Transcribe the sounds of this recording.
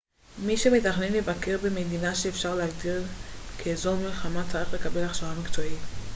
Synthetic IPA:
miʃemetaχnenlevake̞ʁbemed̪inaʃeːfʃaʁleɦaɡdiʁkʰeːzo̞milχamat͡saʁiχle̞kabe̞laχʃaamikt͡soit

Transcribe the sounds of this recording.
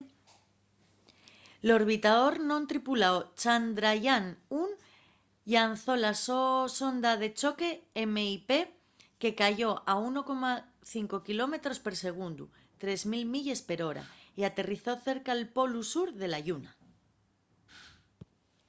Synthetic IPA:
lo̞ɾβ̞it̪aðo̞ɾnõnt̪ɾipulaot͡ʃand̪ɾaʝanun | ʎanθo̞lasoso̞nd̪að̞e̞t͡ʃo̞ke̞eme̞ipe̞ | ke̞kaʝo̞ʔauno̞ko̞ma | θiŋko̞kilo̞me̞t̪ɾo̞spe̞ɾse̞ɣ̞und̪u | t̪ɾe̞zmilmiʎe̞spe̞ɾo̞ɾa̰iat̪e̞riθo̞θe̞ɾkaelpo̞lusuɾðe̞laʝuna

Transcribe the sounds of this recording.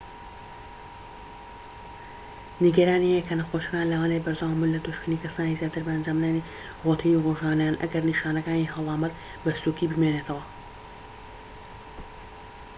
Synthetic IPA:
niɡɐɾaːniekʰɐnɐxoʃkaːnlawaːnejbɐɾd̪aːwamunlɐd̪uʃkɨniːkʰɐsaːnizjaːt̪ɨɾbɐːnd͡ʒaːmnani | rot̪ʰiːniroʒaːnajaːnʔɐ̰ɡɐɾniʃaːnɐkaːniɦɐlˠɑːmɐt̪ | bɐsukibɨmeneːt̪ʰɐwɐ

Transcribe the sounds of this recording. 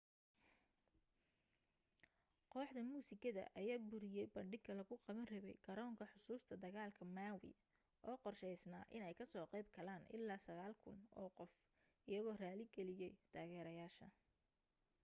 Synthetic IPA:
qɔːħd̪ɐmuːsɪkʰɐðɐ̰ʔɐjaːbʊɾɪjɛjbɐɳɖɪɡkʰɐlɐɣʊqɑβɐnrɪβɛ̰jɡɐɾɔːŋkʰɐħʊsuːst̪ʰɐd̪ɐɣaːlkʰɐmaːwɪ̰ | ʔɔːqɔrʃɛjsnaːʔɪnɛjkʰɐsɔːqɛjb̚kʰɐlaːnʔɪ̰lːaːsɐɣaːlkʰʊnɔ̰ːqɔf | ʔɪjɐɣɔːraːlɪɡɛlɪjɛjt̪ʰaːɣɛːɾɐjaːʃɐ̰

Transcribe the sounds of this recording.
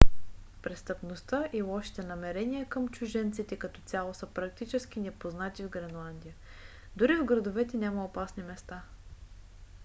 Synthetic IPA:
pɾɛst̪əpnost̪aʔilˠɔʃi̥t̪ɛnɐmɛɾɛniəkəmt͡ʃuʒɛnt̪sit̪ɛkɐt̪ɔt̪ʲjalˠosəpɾɐkt̪it͡ʃɛsk̟inɛpoznat̪ivɡɾɛnlˠand̪ijə | d̪ʊɾivɡɾɐd̪ovɛt̪ɛnʲaməopasnimɛst̪a

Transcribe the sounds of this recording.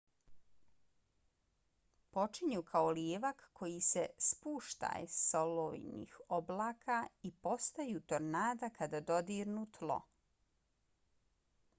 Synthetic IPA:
po̞t͡ʃiɲukʰaoljeːʋakːo̞jisespuːʃt̪a̰jḛso̞loijnḭxoblaːkʰaipo̞st̪ajuːt̪oɾnaːd̪akʰad̪ad̪o̞d̪iːɾnuːt̪lo̰

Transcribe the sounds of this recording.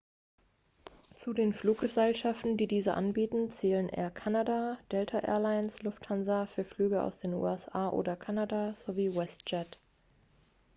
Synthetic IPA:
t͡sudeːnfluːk̚ɡ̥əzɛlʃaftn̩diːdiːzəʔa̰nbiːtn̩t͡sɛːlənʔḛːɐkʰanadad̥ɛltʰaʔɛ̰ːɐlaɪnslʊfthanzɐfyːɐflyːɡəʔa̰ʊsd̥eːnṵːɛsʔaːʔo̰ːdɐkʰanadaz̥oviːwɛstd͡ʒɛt

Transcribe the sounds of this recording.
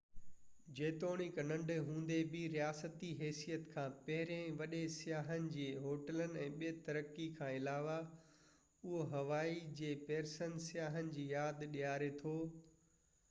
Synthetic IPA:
d͡ʑeːt̪oːɽ̃ɪknɐ̃ɳɖɦũːnd̪ebɪɾijaːsət̪iɦɛːsijət̪kʰãːpɐɦɪɾẽʋɐɗesɪjaːɦənɪ̆d͡ʑiːɦoːʈələnɪ̆ɛ̃ːɓijet̪ɐɾəkːikʰãːɪlaːʋa | ʊɦoɦɐʋaːid͡ʑeːpeːɾsənsɪjaːɦənɪ̆d͡ʑiːjaːd̪ɗijaːɾet̪ʰoː

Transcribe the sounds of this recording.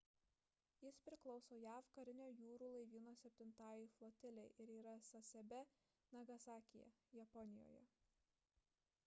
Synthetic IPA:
jɪspʲɾʲɪklˠɒʊsoːjæːfkɐɾʲɪnʲoːjuːɾuːlˠɐɪʋʲiːnoːsʲɛp̚ʲt̪ʲɪnt̪ɑːjɪflˠoːt̪ʲɪlʲɛɪʔɪɾiːɾɐsɐsʲɛbʲɛ | nɐɡɐsɑːkʲɪjɛ̰jɛpɔnʲɪjo̰ːjɛ

